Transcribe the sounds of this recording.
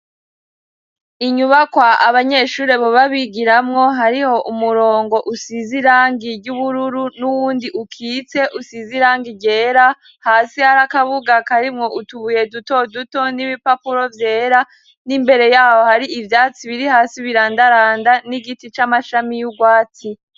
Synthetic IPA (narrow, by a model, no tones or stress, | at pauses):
iɲuβakwaaβaɲe̞ːʃuːɾe̞βoβaβiɡiɾamŋo̞ɦaɾiho̞ʔumuɾo̞ːŋɡo̞ʔusiziɾaːŋɡiɾɟuβuɾuɾunuwuːndiʔukʰiːt͡se̞ʔusiziɾaːŋɡiɟe̞ːɾa | haːsihaɾakaβuɡakaɾimŋo̞ʔutuβuje̞duto̞duto̞niβipapuɾo̞vje̞ːɾa | nimbe̞ɾe̞jaːho̞haɾiʔivjaːt͡siβiɾihaːsiβiɾaːndaɾaːndaniɡitit͡ʃamaʃamijuɡwaːti